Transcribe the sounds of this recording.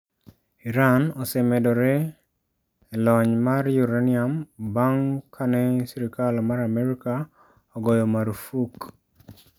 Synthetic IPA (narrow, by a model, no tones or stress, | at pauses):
iɾanɔsɛmɛdɔɾɛ | lɔɲmarjuɾaniambaŋkʰanɛsiɾikalɔmaɾamɛɾika | ɔɡɔjɔmaɾfuk